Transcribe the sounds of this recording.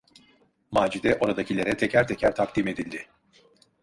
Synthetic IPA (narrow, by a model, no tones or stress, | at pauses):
maːd͡ʒid̪ɛʔo̞ɾad̪acʰilʲeɾɛt̪ʰɛcʰæɾt̪ʰecʰæɾt̪ʰak̚d̪ime̞d̪ilʲd̪ɪ